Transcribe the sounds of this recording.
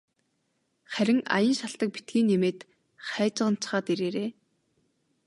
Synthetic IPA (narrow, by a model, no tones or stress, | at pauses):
χæɾʲɪ̆ŋa̰jə̆nʃaɬt̪ə̆k̚pi̥t̪̚ɡiːnːemeːt̪ | χæːt͡ɕə̆ʁə̆n̥t͡ɕχaːt̪iɾeːɾeː